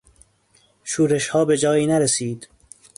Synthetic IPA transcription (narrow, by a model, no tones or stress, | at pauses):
ʃuːɾeʃhɒːbe̞d͡ʒɒːjiːnæɾesiːd̪̥